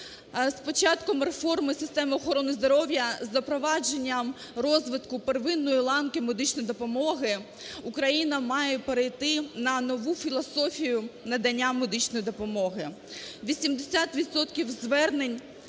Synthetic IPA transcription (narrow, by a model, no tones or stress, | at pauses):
spɔt͡ʃɑt̪kɔmrefɔrmɪsɪst̪ɛmɪɔxɔɾɔnɪzd̪ɔɾɔwjɐzɐpɾɔʋɑd͡ʒe̞nʲːɐm | rɔzʋɪt̪kʊpeɾʋɪnːɔjilˠɑnkɪmed̪ɪt͡ʃnɔjd̪ɔpɔmɔɦɪ | ukɾɐjinɐmɑjɛpeɾejt̪ɪnɐnɔʋufʲilˠɔsɔfʲijʊnɐd̪ɐnʲːamed̪ɪt͡ʃnɔjid̪ɔpɔmɔɦɪ | ʋʲisʲimd̪esʲat̪ʋʲit̪sɔt̪kʲiwzʋɛrnenʲ